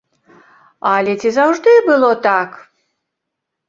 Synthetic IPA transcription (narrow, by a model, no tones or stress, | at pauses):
alʲɛt͡sʲizawʐd̪ɨbɨlˠɔt̪ak